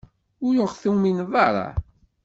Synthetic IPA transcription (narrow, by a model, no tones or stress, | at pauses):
ʊjoʁθuminðˤɑɾˤɑ̰